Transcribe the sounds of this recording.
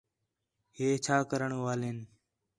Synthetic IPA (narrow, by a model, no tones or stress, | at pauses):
ɦeːt͡ʃʰaːkəɾəɳːʋaːleːn